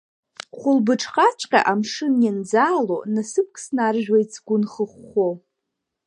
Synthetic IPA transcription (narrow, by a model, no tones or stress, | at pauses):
χʷʊlbɨʈ͡ʂʰʼχʼat͡ʃʷʼqʲʼa̰ʔamʂɨnjand͡zaːlonasɨp̚ʰkʰʼsnarʒᶣajt͡sʰɡ̥ʷʊnχəχʷo